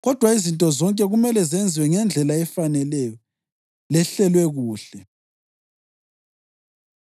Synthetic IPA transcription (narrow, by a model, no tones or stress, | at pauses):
ɣɔd̥ʱwaizintʼɔzɔŋkʼɛɣumɛlɛzɛnd͡zʱiwɛŋɛnd͡ɮʱɛlaɛfanɛlɛjɔ | lɛɬɛlwɛɣuːɬɛ